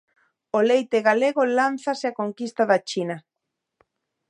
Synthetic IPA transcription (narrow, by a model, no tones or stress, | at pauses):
olejt̪eɣaleɣolan̟θaseakoŋkist̪aðat͡ʃina